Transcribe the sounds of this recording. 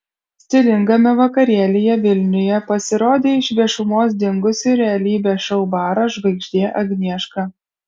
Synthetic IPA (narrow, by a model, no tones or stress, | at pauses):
sʲt̪ʲɪlʲɪŋɡɐmʲɛʋɐkɐɾʲiɛlʲɪjɛʋʲɪlʲnʲʊjɛpɐsʲɪɾoːd̪ʲeːɪʃʲʋʲiɛʃʊmoːsd̪ʲɪŋɡʊsʲʊɾʲɛɐlʲiːbʲɛːʃɐʊbɑːɾɐʒʋɐɪɡʒʲd̪ʲiːʔɐɡʲnʲiɛʃkɑː